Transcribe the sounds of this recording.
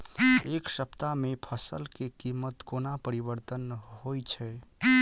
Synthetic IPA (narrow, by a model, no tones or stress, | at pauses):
eksəpt̪amepʰəsəlkekimət̪konapəɾibəɾt̪ənɦojt͡ʃʰɛ